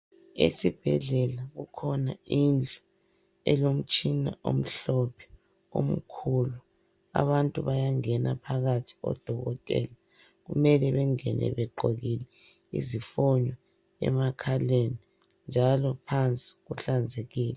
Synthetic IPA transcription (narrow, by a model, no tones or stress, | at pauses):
ḛsib̥ʱɛɮɛlaɣukʰɔnaind͡ɮʱɔ | ɛ̰lom̩t͡ʃʼina̰ʔo̰m̩ɬɔpʰɛ̥ | o̰m̩kʰulu | a̰βantʼuβajaŋɛnapʰaɣatʰi̥ɔ̰d̥ʱɔɣɔtʼɛ̰ːla | ɣumɛlɛβɛŋɛnʔɛ̰βɛɡ͡ǃʱoɣilɛ | ḭzifɔɲɔ | ɛ̰makʰaleni | nd͡ʒʱalɔpʰant͡sʼi̥ɣuɬand͡zʱeɣiːlɛ